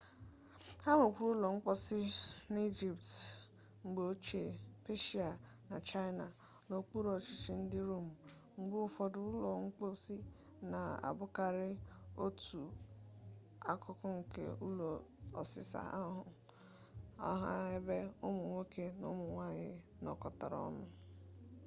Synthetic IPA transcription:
ha˦mʊ˨kʷu˦ɾu˦lɔ˨ŋ͡m̩˦k͡pɔ˦sɪ˦n˦i˦d͡ʒi˨pt | ŋ͡m̩˨ɡ͡bo˦t͡ʃe˨pe˦ʃi˦a˨ | na˨t͡ʃa˦jna˨ | no˨k͡pu˦ɾo˨t͡ʃi˨t͡ʃi˨˦n̩˦dɪ˦ɾo˦˨m̩˨ | ŋ͡m̩˨ɡ͡bo˦ʊ˦fɔ˨dʊ˦lɔ˨ŋ͡m̩˦k͡pɔ˦si˦ | na˨a̰˨bʊ˦ka˨ɾɪ˦o˦tu˨ | a˦kʰʊ˦kʊ˦ŋ̩˨kḛ˦u˦lo˨ɔ˨sɪ̰˨sa̰˨a˦ɦʊ˨ | a̰˦ɦa̰˦ɦe˦be˦ʊ˦mʊ˨ŋʷo˦ke˦no̰˦mʊ˨ŋʷa˦˨ɲɪ˦ | nɔ̰˨kɔ˨ta̰˨ɾɔ̰˦mʊ˦

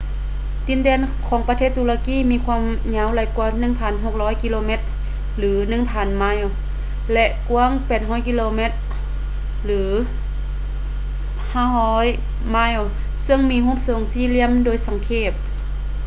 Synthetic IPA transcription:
di˨˦ndɛː˧˨n | kʰɔː˨˦ŋpa˧t̪ʰeː˧˥˩t̪ːuː˧la˧kiː˧˥˨miː˧kʰwaː˧˥˨m | ɲa˧˥˨wla˨˩jku˧nɯ˧˩˨ŋpʰa˧˩˨nɦo˧˩k̚lɔː˧˥˨jki˧loː˧me˧˥t̪̚ | lɯː˩˨˦nɯ˧˨ŋpʰaː˨˩nma˧˥˨w | lɛ˧ʔku˧˥əŋpɛː˨˩t̪̚ɦɔː˧˥˨jki˧loː˧me˧˩t̪̚ | lɯː˩˦ | haː˧˥˨ɦɔː˧˥j | ma˧˥˨w | sɤ˧˨ŋmiː˧ɦuː˧˥˨p̚so˨˦ŋsiː˧˨li˧˩əmdoː˧˨jsa˨˦ŋkʰeː˧˩p̚

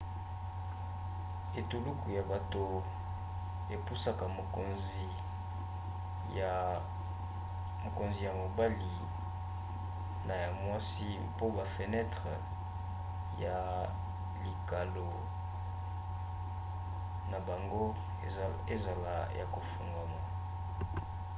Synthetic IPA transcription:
e˨tu˨lu˦ku˨ja˨ba˨to˨ | e˨pu˦sa˦ka˨mo˨ko˨nzi˨ | ja˨ | mo˨ko˨nzi˨ja˨mo˨ba˦li˨ | na˨ja˨mwa˦si˦ | po˦ba˨fə˨nɛ˦tʁə˨ | ja˨ | li˨ka˨lo˨ | na˨ba˨ŋɡo˦˨ | e˦˨za˨la̰˦ja̰˨ko˨fu˨ŋɡa˨ma˨

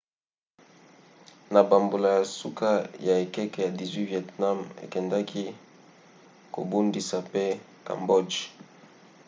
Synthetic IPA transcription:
na˨ba˨mbo˨la˨ja˨su˦ka˦ja˨e˨kɛ˦kɛ˨ja˨di˨zwi˦vɛ˨tna˦mḛ˨kɛ˨nda˦kʰi˦ | ko̰˨bu˦ndi˨sa˨pe˦ | ka̰˨mbo˦d͡ʒ

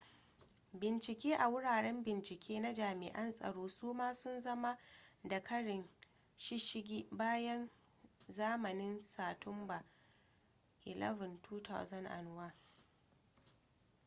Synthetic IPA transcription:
bɪ˨nt͡ʃɪ˨kʲeː˦ʔa˨wʊ˦ɽaː˨ɽɛ˦mbɪ˨nt͡ʃɪ˨kʲʰeː˦na˦d͡ʒaː˨mɪ̰˨ʔɐ˦nsʼɐ̰˨ɽoː˦suː˦maː˦sʊ˦nzɐ˦ma˦da˨kɐ˦ɽɪ˨n | ʃɪ˦ʃɪ˦ɡʲiː˦baː˦jɐ˦n | zaː˦mɐ˨nɪ˦nsaː˨tʰʊ˦mba˨ | ʔɪ˨lʔɛ̰˦vʊ˨ntʰuː˦ta̰˨wzɐ˦nʔa̰˨n˨˦waː˦

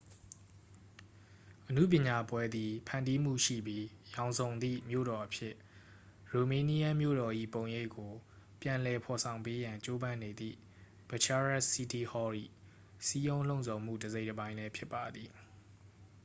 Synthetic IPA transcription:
ʔənṵ˦˨p̬jɪ̃˨ɲa˨pwɛ˦d̪i˨pʰã̰˨ndi˦m̥ṵ˦˨ʃḭ˦˨bji˦jã˨ʊ̃nzõ˨ʊ̃nd̪ḭ˦˨mjo̰˦˨ɾɔ˨ʔəpʰjɪ˦ʔ | ɹo˨mẽ˨˦ni˦ja˦mjo̰˦˨ɾɔ˨ʔḭ˦˨põ˨ʊ̃je˦ɪkːo˨ | pjã˨lɛ˨pʰɔ˨sʰã˨ʊ̃mpe˦jã˨ɲt͡ɕo˦bã˦ne˨d̪ðḭ˦˨ | b̥ə˨t͡ɕa˦ɹa˦ʔsi˦ti˦˨hɔ˦ɹḭ˦˨ | si˦jõ˦ʊ̃lõ˦˨zʰõ˨m̥ṵ˦˨dəze˦ɪtəbã˦ɪ̃lɛ˦pʰjɪ˦pːa˨d̪ði˨

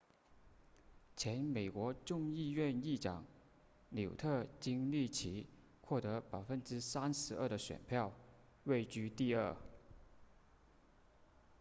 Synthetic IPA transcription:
t͡ɕʰjɛ˧˥nme˨˩ɪkwɔ˧˥ʈ͡ʂʊ˥˧ŋi˥˧ɥɛ˥˧ni˥˩ʈ͡ʂɑ̰˨˩˦ŋ | ljo˨˩ʊt̪ʰɤ˥˩t͡ɕi˥ŋli˥˩t͡ɕʰi˧˥ | xwɔ˥˩t̪ɤ˧˥pɑ˨˩ʊfə˥nʈ͡ʂɻ̩˥sa˥nʂɻ̩˧˥ə˞˥˩d̪ə˩ɕɥɛ̰˨˩npʰjɑ˥˩˧ʊ | we˥˩ɪt͡ɕy˥t̪i˥˧ə˥˩

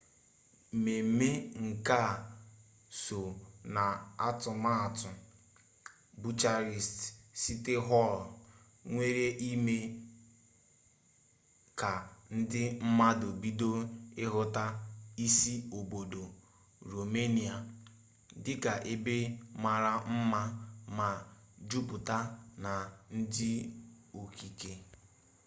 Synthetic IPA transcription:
me˨me˦ŋ̩˨ka˦˨ | so˨na˨a˦tʊ˨ma˦˨tʊ˨ | bu˦t͡ʃa˦ɾi˨stsi˦te˦ɦɔ˦˨l | ŋʷe˦ɾe˦ʔi˦me˦ | ka˨n̩˦dɪ˦m̩˦ma˦do˨bi˦do˦ɪ˦ɦʊ˦ta˦i˦si˦o˨bo˨do˨ | ɾo˨me˦ni˨a˨ | dɪ˦ka˨ʔe˦be˦ma˨ɾa˦m̩˦ma˦ma˨d͡ʒu˦pʊ˨ta˦na˨n̩˦dɪ˦ | o˨ki˨ke˨

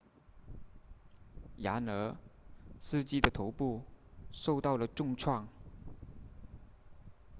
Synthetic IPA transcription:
ja̰˧˥nɤ˧˥ | sɹ̩˥˧t͡ɕi˥d̪ə˨t̪ʰo˧˥ʊpu˥˧ʂo˥˧ʊt̪ɑ˥˩ʊlə˩ʈ͡ʂʊ˥˧ŋʈ͡ʂʰwɑ˥˩ŋ

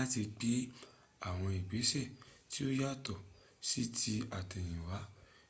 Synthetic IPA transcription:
a˦ti˧k͡pe˨˦ | a˦˨w̃ɔ̃˧i˨ɡ͡be˨˦sɛ˦˨ti˦o˦ja˦˨tɔ˦˨ | si˦tʰi˧a˨tɛ̃˨j̃ĩ˨wa˨˦

